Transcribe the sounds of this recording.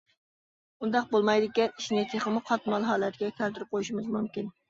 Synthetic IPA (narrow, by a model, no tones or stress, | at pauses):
und̪ɑqbolˠmɑjd̪ɪkʲɛniʃnɪt̪ʰeχəmʊqʰɑt̪mɑlˠɦɑːlˠɛt̪ʰɡʲɛkʲʰælt̪ɪɾɪp̚qʰojuʃimɨzmumkʲin